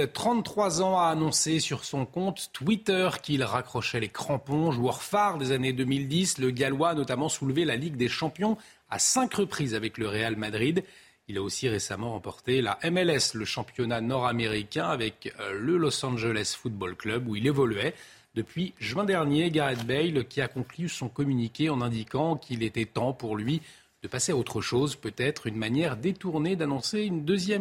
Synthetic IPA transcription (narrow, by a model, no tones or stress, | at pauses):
t̪χɑ̃t̪t̪χwazɑ̃aːnɔ̃sesyʁsɔ̃kɔ̃t̪ːwit̪œʁkilʁakχɔʃɛlekχɑ̃pɔ̃ʒuœʁfaʁd̪ezaned̪ømild̪isləɡalwaːnɔt̪amɑ̃sulvelaliɡd̪eʃɑ̃pjɔ̃ | a̰sɛ̃kʁəpχizavɛkləʁealmad̪ʁid̪ | ilaosiʁesa̰mɑ̃ʁɑ̃pɔʁt̪ela̰ʔɛmɛlɛsləʃɑ̃pjɔnanɔʁameʁikʲɛ̃avɛkləlɔsɑ̃ʒelɛsfut̪̚bɔlklœbuilevɔlɥɛ | d̪əpɥiʒɥɛ̃d̪ɛʁnjeɡaʁɛt̪bɛjlkʲiakɔ̃klysɔ̃kɔmynikʲeɑ̃nɛ̃d̪ikɑ̃kʰilet̪ɛt̪ɑ̃puʁlɥi | d̪̥əpaseaot̪χəʃozpøt̪ɛt̪χynmanjɛʁd̪et̪uʁned̪anɔ̃seynd̪øzjɛm